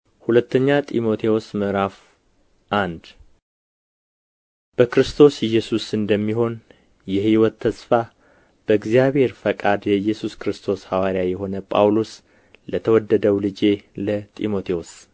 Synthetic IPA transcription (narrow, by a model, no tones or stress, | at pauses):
hulət̪ːəɲːat̪ʼimo̞t̪ʰewosməɾaf | ʔand̪ | b̥əkɾɨst̪ʰo̞sɪjːɛsusɨnd̪əmːiɦo̞n | jɛhiwɔt̪ʰːəsfa | b̥əɨɡzijaβhe̞ɾfəkʼad̪jɛɨjːɛsuskɾɨst̪ʰo̞shawaɾjajɛɦo̞nəpʼa̰wlos | lət̪ʰəwɔd̪ːəd̪əwlɨd͡ʒe̞lət̪ʼḭmo̞t̪ʰewos